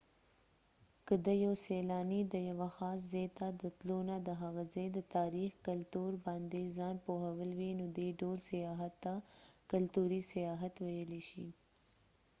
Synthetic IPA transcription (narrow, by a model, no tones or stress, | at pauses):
kəd̪əjawselɑnid̪əjawaxɑs̬zet̪ad̪ət̪lonad̪əɦaɣazejd̪ət̪ɑɾixkalt̪uɾbɑnd̪ezɑnpoɦawəlwinod̪eɖolsajɑɦat̪ːakalt̪uɾisajɑɦat̪wajəliʃḭ